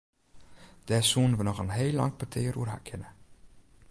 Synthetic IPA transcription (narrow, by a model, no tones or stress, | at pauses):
d̥ɛːsuːnʋənɔxənɦeːlːɑ̰ŋkʰatʰɪːəɾuərɦa̰kʰɪnə